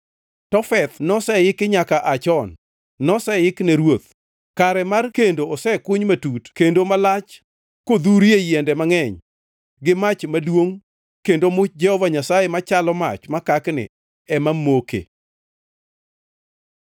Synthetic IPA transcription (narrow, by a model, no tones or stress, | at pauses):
tɔfɛt̪nɔsɛjɪkɪɲakaʔat͡ʃɔnː | ɔsɛjɪknɛɾwot̪ | kaɾɛmarkendoɔsɛkʊɲmatutkendomalat͡ʃ | kod̪uɾjejɛndɛmaŋɛɲ | ɡɪmat͡ʃmadwoŋ | kendomʊt͡ʃ̚d͡ʒɛhɔvaɲasajemat͡ʃalɔma̰t͡ʃmakaknɪ̰ | ɛmamokḛ